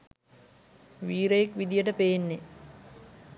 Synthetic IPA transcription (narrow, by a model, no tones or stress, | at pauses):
ʋiːɾəjekʋid̪ijəʈəpejenːe